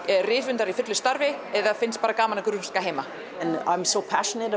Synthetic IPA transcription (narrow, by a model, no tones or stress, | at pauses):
rɪːfʏnt̪aɾifʏt̪lʏst̪aɾvɪɛððafɪnst̪̚paːɾakaːmanakʏɾʏ̥l̥kaɦeːjmã | nã̰ɪ̃msoʊpʰa̰ʃənəɾ